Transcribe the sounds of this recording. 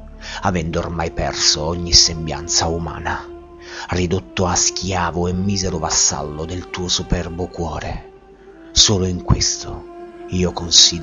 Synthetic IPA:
avɛnd̪o̰ːrmajpɛ̰rsoɔɲːisembja̰nt̪sauma̰ːna | rid̪ot̪ːoaskʲjaːvʊemːiːzeɾʊvasːa̰lːʊd̪elt̪uːosupɛrbʊkwɔːɾe | soːloiŋkwest̪oiːokonsiː

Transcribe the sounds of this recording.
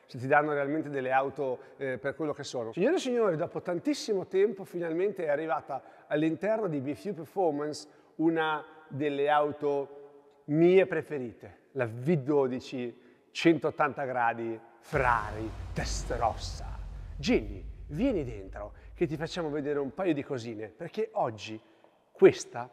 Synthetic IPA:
set̪ːid̪anːoɾealment̪ed̪elːeawt̪operkwelːokesːoːnosiɲːoːɾesiɲːoːɾid̪ɔːpot̪ant̪isːimot̪ɛmpofinalment̪eɛarːivaːt̪aː | lːint̪ɛrnod̪ibifjupeɾfɔrmans | unad̪elːeawt̪o | miːepɾefeɾiːt̪e | lavid̪oːd̪it͡ʃi | t͡ʃɛnt̪oːt̪ːant̪aɡɾaːd̪i | fɾa̰ːɾit̪est̪ɾɔ̰sːa̰d͡ʒinːḭvjɛːnid̪ḛnt̪ɾo̰k̟et̪̬ːifat͡ʃːaːmoved̪eːɾeumpaːjod̪ikoziːneperkeʔɔd͡ʒːi | kwest̪a

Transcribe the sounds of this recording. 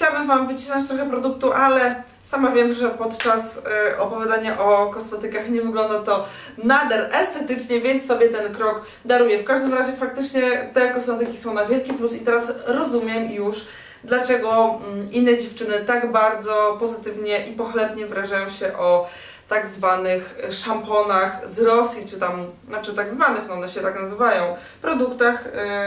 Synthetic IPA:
t͡ɕawabɘmvamvɘt͡ɕi̥snɔɲt͡ɕt̪ɾɔxɛpɾɔd̪uk̚t̪uʔalɛ | samavʲjɛmʐɛpɔt̪t͡ʂasɔpɔvʲjad̪aɲaʔɔkɔsmɛt̪ɘkaxɲɛvɘɡlɔnd̪at̪ɔ | nad̪ɛɾʔɛst̪ɛt̪ɘt͡ʂɲɛvʲjɛnt̪ssːɔbʲjɛt̪ɛnkɾɔɡ | d̪aɾujɛfkaʐd̪ɘmɾaʑɛfak̚t̪ɘt͡ʂɲɛt̪ɛkɔsmɛt̪ɘkʲi̥sɔ̃ɛw̃navʲjɛlkʲiplusit̪ɛɾasɾɔzumʲjɛmjuʂ | d̪lat͡ʂɛɡɔinːɛd͡ʑɛft͡ʂɘnɘt̪aɡbaɾd̪zɔpɔzɘt̪ɘvɲɛʔipɔxlɛbɲɛvɾaʐajɔ̃w̃ɕɛʔɔ | t̪aɡzvanɘxʂampɔnaxzɾɔsʲjit͡ʂɘt̪am | at͡ʂɘt̪aɡzvanɘxnɔɔnɛɕɛt̪aknazɘvajɔ̃w̃ | pɾɔd̪ukt̪ax

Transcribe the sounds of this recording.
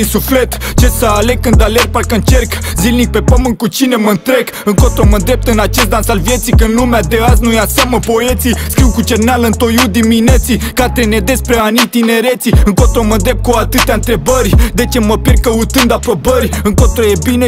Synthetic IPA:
isuflet̪t͡ʃet̪səale̞kɨnd̪alerpalkɨnd̪t͡ʃerkzilnik̚pe̞pəmɨnkut͡ʃine̞məɨnt̪ɾek | ɨŋkot̪ɾoməd̪ɾep̚t̪ɨnat͡ʃest̪d̪ansalvje̞t̪sikɨnd̪lumead̪eaz̬nujasjaməpo̞e̞t̪siskɾiwkut͡ʃernalɨnt̪o̞jud̪iminet̪sikat̪ɾened̪espɾeanit̪ine̞ɾe̞t̪siɨŋkot̪ɾomənd̪ɾe̞p̚t̪kuat̪ɨt̪eaɨnt̪ɾe̞bəɾʲd̪e̞t͡ʃeməperkəut̪ɨnd̪apɾo̞bəɾʲɨŋkot̪ɾoje̞bine

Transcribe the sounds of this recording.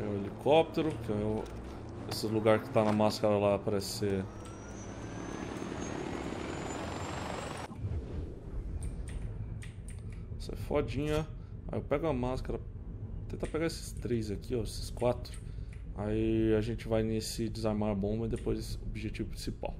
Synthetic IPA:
ɛ̃elikʰɔp̚t̪eɾʊkɪɐ̃ɛ̃ | ḛsɪluɡaɾkɪ̥t̪anɐmaskɐɾɐlapɾɐese | sɐɛ̰fɔd͡ʒĩɲɐ | a̰ewpɛɡʊɐmaskɐɾɐ | t̪ẽt̪apeɡaesɪ̥st̪ɾejzakioesɪ̥skwat̪ɾʊ | a̰iaʒẽnt͡ʃɪvajnesɪd͡ʒɪzaɾmaɾbõbɐɪd̪epojzsobiʒet͡ʃivʊpɾĩsipa̰w

